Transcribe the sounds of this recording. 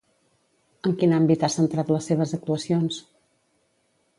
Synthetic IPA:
əŋkinambit̪asənt̪ɾat̪ləsːeβ̞əzək̚t̪uəsions

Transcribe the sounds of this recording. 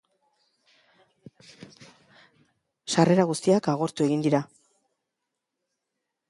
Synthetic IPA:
ʃare̞ɾaɣust̪iakaɣ̞o̞ɾt̪ue̞ɣind̪iɾa

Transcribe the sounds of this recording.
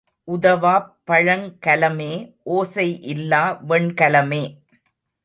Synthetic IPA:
ʔʊðɐʋaːpːɐɻɐŋkɐlɐmeːʔoːsɐɪʔɪlːaːʋɛɳkɐlɐmeː

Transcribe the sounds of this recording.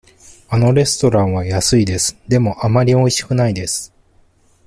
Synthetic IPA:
ano̞ɾe̞sɨ̥t̪o̞ɾãɰ̃β̞ajasɨid̪e̞sɨ̥d̪e̞mo̞ʔamaɾʲio̞iɕi̥kɯ̟naid̪e̞sɨ̥

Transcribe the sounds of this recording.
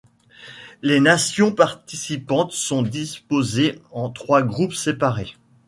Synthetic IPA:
lenasjɔ̃paʁt̪isipɑ̃t̪sɔ̃d̪ispozeɑ̃t̪χwaɡʁupsepaʁe

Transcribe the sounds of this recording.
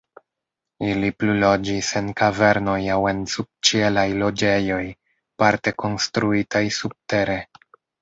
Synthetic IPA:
iliplulo̞d͡ʒise̞nkave̞ɾno̞jawe̞nsub̥̚t͡ʃie̞lajlo̞d͡ʒe̞jo̞j | paɾte̞ko̞nstɾuitajsub̥̚te̞ɾe̞

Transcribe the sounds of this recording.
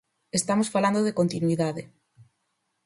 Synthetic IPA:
est̪amosfaland̪oðekont̪inuiðaðe

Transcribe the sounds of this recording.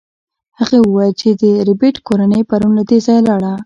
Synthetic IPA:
haɣawəwajlt͡ʃed̪əɾɪbeʈkoɾanəjpaɾunlad̪ezɑjlaɽa

